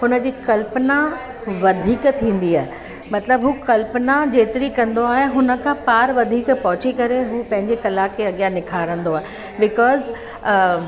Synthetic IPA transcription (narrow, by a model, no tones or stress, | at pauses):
ɦʊnə̆d͡ʑiːkɐlpna | ʋɐd̪ʱiːkt̪ʰĩːn̆d̪iaːɦe | mɐt̪ləbɦuːkɐlpnad͡ʑeːt̪ɪɾikɐ̃nd̪oaːɦeɦʊnə̆kʰãpaːɾʋɐd̪ʱiːkpɐɦʊt͡ɕikɐɾeɦuːpɐ̃ɦɪ̃ɲd͡ʑekɐlakʰeɐɠijãnɪkʰaːɾə̃nd̪oaːɦe | bɪkɔːz